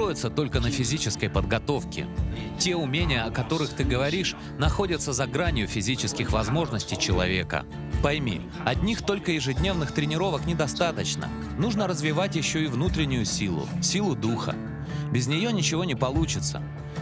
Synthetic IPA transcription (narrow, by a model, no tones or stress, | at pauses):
st̪ojɪt̪sət̪o̞lʲkənəfʲɪzʲit͡ɕɪskəjpəd̪ɡɐt̪o̞fkʲɪ̰ | tʲe̞ʊmʲenʲɪjəɐkɐt̪o̞ɾɨxt̪ɨɡəvɐɾʲiʂ | nɐxo̞dʲət̪səzɐɡɾanʲjʊfʲɪzʲit͡ɕɪskʲɪxvɐzmo̞ʐnəsʲtʲɪjt͡ɕɪlˠɐ̰vʲe̞̰kə̰ | pɐjmʲḭ | ɐdʲnʲixt̪o̞lʲkəjɪʐɨdʲnʲe̞vnɨxt̪ɾʲɪnʲɪɾo̞vəknʲɪd̪ɐst̪at̪ət͡ɕnə̰ | nuʐnəɾəzvʲɪvatʲjɪɕːo̞ivnut̪ɾʲɪnʲːʊjʊsʲilˠʊ̰sʲilˠʊd̪uxə̰ | bʲɪzʲnʲɪjonʲɪt͡ɕɪvo̞nʲɪpɐlˠut͡ɕɪt̪sə̰